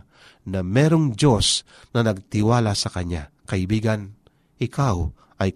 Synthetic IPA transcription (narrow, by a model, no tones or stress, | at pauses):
nɐmɛːɾoŋd͡ʒos | nɐnɐɡ̚t̪ɪwaːlasɐkɐɲːa̰ | kɐʔɪbiːɡan | ʔɪkaw | ʔɐj